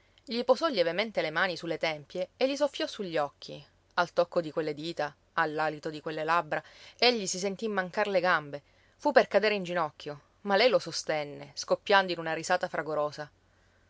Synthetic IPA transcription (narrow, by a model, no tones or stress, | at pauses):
ʎipozɔʎːevement̪elemaːnisulːet̪ɛmpjeːʎːis̬ofːjɔsuʎːɔkʰːi | alt̪ɔkːod̪ikwelːed̪iːt̪a | alːaːlit̪od̪ikwelːelabɾaeʎːisis̬ent̪imːaŋkarleɡambe | fupːerkad̪eːɾeind͡ʒinɔkːjo | malɛjlosost̪ɛnːeskopːjand̪oinunarizaːt̪afɾʔaɡoɾoːsa